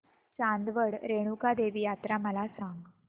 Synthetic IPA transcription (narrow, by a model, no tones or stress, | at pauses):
t͡ɕãnd̪ʋəɽɾeɽ̃ukad̪eʋiːjat̪ɾaməlasaŋɡ